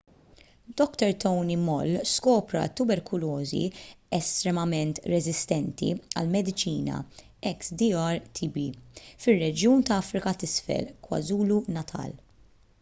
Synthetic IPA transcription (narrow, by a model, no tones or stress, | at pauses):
d̪ɔkt̪ɛɾt̪ɔwnimɔ̰lːskɔːpɾɐ̰t̪ʊbɛɾkʰʊlɔːzḭɛst̪ɾɛmɐmɛnt̪ɾɛzɪst̪ɛnt̪ḭɐ̰lmɛd̪ɪt͡ʃiːnɐ̰ | ɛksd̪iɐɾt̪ʰibifɪrːɛd͡ʒjuːnt̪ɐɐfɾɪkɐt̪ɪsfɛ̰lkwɐ̰zuːlunɐt̪ʰɐ̰ːl